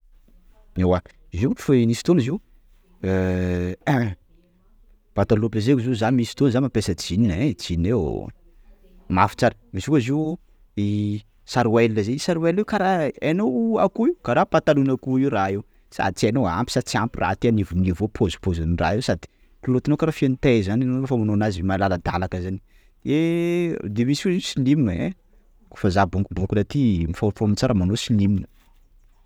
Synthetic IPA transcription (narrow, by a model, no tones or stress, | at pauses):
ewa | ize̥fanisi̥t̪oniziw | pat̪alopləzekuzizanimisi̥t̪onzanmapesət͡sininet͡sine | mafi̥t͡saɾəmisikuziw | i | saɾuwelnəzeisaɾuwelewkaɾaenowakuiwkaɾapat̪alunakuiwraew | sa̰d̪it͡sianoa̰mpi̥sat͡siampirʔa̰t̪eanivunivopʰozu̥pozanira̰iwsad̪i̥ | kulot̪anokaɾafenit̪ezananofamanoanazvemalaləd̪alakəzani | e | d̪emisikuziwsiliminəḛ | ku̥fazabuŋkubuŋkunat̪imifafomit͡saɾəmanosiliminə